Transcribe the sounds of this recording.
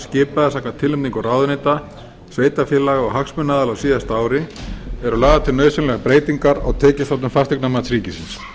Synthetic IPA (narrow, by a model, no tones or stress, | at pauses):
scɪːpaðasaːknat̪ʰɪlʏmt̪iŋkɔɾaːwðʏnejt̪a | sveːjt̪afjɛlaɣɔɣɦaksmʏnːaːðalawsiːðast̪aːwɾɪɛɾʏlaːɣðat̪ʰɪlnœːɥsʏnlɛɣapɾeːjt̪iŋkaɾa̰ɣt̪ʰɛːcɪst̪at̪ʏmfast̪ɛknamaːt̪sɾiːcɪsɪns